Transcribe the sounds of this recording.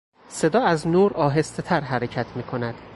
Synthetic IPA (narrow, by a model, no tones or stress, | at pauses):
se̞d̪ɒːæznuːɾɒːɦe̞st̪e̞t̪ʰæɾɦæɾecʰæt̪ʰmiːkʰo̞næd̪̥